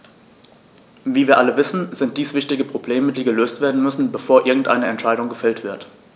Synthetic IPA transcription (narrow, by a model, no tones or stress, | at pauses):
viːviːɐʔaləvɪsn̩zɪnt̚d̥iːsv̥ɪçtɪɡəpʁ̥obleːmədiːɡəløːstv̥eːɐdn̩mʏsn̩bəfoːɐʔɪɐɡŋ̩tʔa̰ɪnəɛntʃaɪɾʊŋɡəfɛltv̥ɪɐt